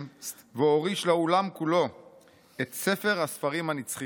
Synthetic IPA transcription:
veoʁiʃleolamkulo̞ | et̪se̞fe̞ʁhasfaʁimhanit͡sχi

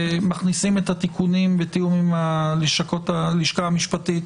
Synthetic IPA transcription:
maχnisime̞that̪ikunimbet̪ijumimaliʃakotaliʃkaamiʃpatit̪

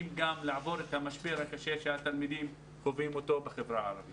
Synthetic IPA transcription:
mɡamlaʕavo̞ɾet̪hamaʃbeʁhakaʃe̞ʃeat̪almid̪im | kovimo̞t̪o̞beχevʁaaɾavi

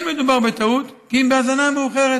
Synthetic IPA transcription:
nmed̪ubaʁbet̪aut̪kiimbeazanameuχeʁe

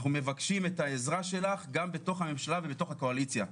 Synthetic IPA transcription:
χnume̞vakʃime̞taezʁaʃe̞laχɡambeto̞χhame̞mʃalavebeto̞χhako̞alit͡sja

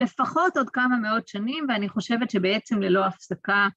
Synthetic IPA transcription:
le̞faχo̞to̞dkamameo̞tʃanimveaniχo̞ʃe̞vetʃebee̞t͡se̞mlelo̞afsaka

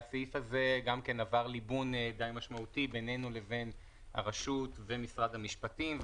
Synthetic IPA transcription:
seifhaze̞ɡamke̞navaʁlibund̪ajmaʃmautibene̞nule̞ve̞n | ha̰ʁaʃutve̞misʁad̪hamiʃpatimv

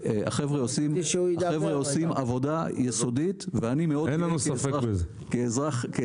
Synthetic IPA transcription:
a̰χevʁeosimaχevʁeosimavo̞dajeso̞dit̪veanimeodenlanusafebez | keːzʁaχk

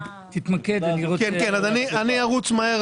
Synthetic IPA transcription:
t̪it̪maked̪iokenkenazanianiaʁut͡smaeʁ

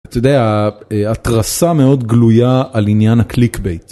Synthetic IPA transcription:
t̪ajod̪eaeat̪ʁasame̞o̞d̪ɡlujaːlinjanhaklikbejt

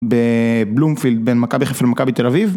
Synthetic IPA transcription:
beblumfild̪̚benmakabiχefelmakabit̪elaviv

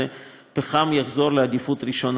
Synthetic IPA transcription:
e | peχamjaχzo̞ɾlead̪ifut̪ɾiʃo̞n

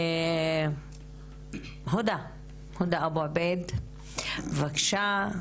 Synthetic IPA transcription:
ɦod̪a | hod̪aboabed̪ | vakʃa

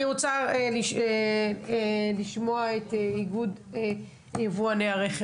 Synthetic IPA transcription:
iʁot͡saeliʃ | liʃmoaeteiɡud | jevuaneaʁeχ

